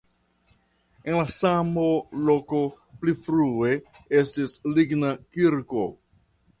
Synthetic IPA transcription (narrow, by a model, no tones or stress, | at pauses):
enlasamolo̞ko̞ | plifɾue̞ | e̞stisliɡnakiɾko̞